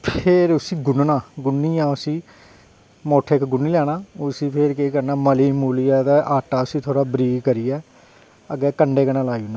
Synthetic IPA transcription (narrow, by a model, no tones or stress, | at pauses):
pʰeɾʊsĩːɡʊnnaːɡʊnːiːãːʊsĩː | moːʈʰekɡʊnːiːlɛːɽ̃ãːʊsĩːpʰeɾkekəɾnaːməliːmuːlijaːd̪aːʔaːʈaːʊsĩːt̪ʰoːɽaːbɾiːɡkəɾiːɛː | əɡɛːkəɳɖeːkənãːlaːiːʊnaː